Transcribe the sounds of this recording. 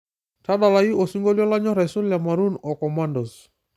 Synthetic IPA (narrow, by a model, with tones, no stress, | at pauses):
ta˦ɗa˨la˨i˦o˨su˦ŋɡo˦ljɔ˦la˦ɲɔ˦ɾa˨sʊ˦lja˨maɾu˦nɔ˨kɔ˨mandɔ˨s